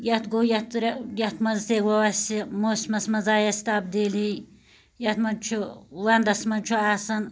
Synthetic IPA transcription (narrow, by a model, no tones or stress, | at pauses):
jɐt̪ɡoːjɐt̪ɾjɐt̪mɐzsewɐwɐsʲimosʲmɐsmɐzaːjɐsʲt̪ab̚d̪eli | jɐt̪mɐnt͡ʃʰuwɐnd̪ɐsmɐnt͡ʃʰuaːsɐn